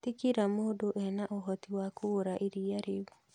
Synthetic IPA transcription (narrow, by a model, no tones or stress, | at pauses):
tikiɾamodoʔɛnaʔoɦɔtiwakʰoɾaʔiɾiaɾeβu